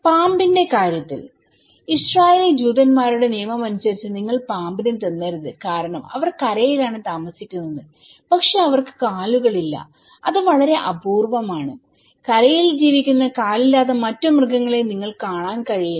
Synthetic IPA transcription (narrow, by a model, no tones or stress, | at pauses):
paːmbinde̞kaːɾjɐt̪ːḭl | israːjeːlid͡ʑuːd̪ɐnmaːɾuɽe̞nijɐmɐmɐnusɐɾit͡ɕːɨniŋːɐɭpaːmbinet̪ɐnːɐɾuðɨkaːɾɐɳɐmɐ̰ʋɐrkɐɾɐjilaːɳɨt̪aːmɐsikʲːunːɐðɨ | pɐkʂe̞ɐʋɐrkɨ̥kaːluɣɐɭilːɐ̰ | ɐðɨʋɐɭɐɾe̞ʔɐbʱuːrʋɐmaːɳɨ | kɐɾɐjild͡ʑiːʋikʲːunːɐkaːlilːaːt̪̬ːɐmɐtːumrɨɡɐŋːɐɭeniŋːɐɭkaːɳaːnkɐɻiji